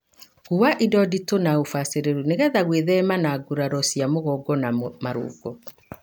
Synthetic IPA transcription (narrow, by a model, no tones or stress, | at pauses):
ɣuwaʔidɔditonaofaseɾeɾuneɣɛðaɣweðɛmanaɡuɾaɾɔsiamoɣɔɡɔnamaɾo̰ːɡɔ